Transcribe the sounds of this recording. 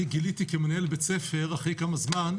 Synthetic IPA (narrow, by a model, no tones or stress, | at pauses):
ɡilit̪ikemenaelbet͡sefe̞ʁaχikamazman